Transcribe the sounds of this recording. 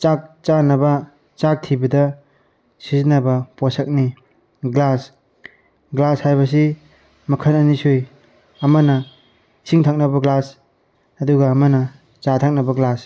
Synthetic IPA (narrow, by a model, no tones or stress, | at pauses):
t͡ʃak̚t͡ʃanɐbɐ | t͡ʃak̚tʰibɐdɐ | sizinɐbɐpɔsak̚ni | ɡlas | ɡlashajβɐs̬i | mɐkʰɐnɐnisuj | ɐmɐnɐ | sʰiŋtʰak̚nɐbɐɡlas | ɐduɡaːmɐnɐ | t͡ʃatʰak̚nɐbɐɡlas